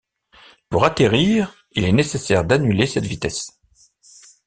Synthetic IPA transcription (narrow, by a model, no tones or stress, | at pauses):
puʁat̪eʁiʁ | ilɛnesesɛʁd̪anylesɛt̪vit̪ɛs